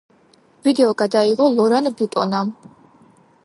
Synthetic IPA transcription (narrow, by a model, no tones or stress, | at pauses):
vid̪ɛɔɡad̪aiʁɔlɔɾanbit̪ʼɔnam